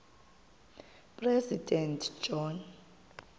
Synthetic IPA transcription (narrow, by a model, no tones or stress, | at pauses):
pʼrɛzidʱʼɛntʰd͡ʒɔn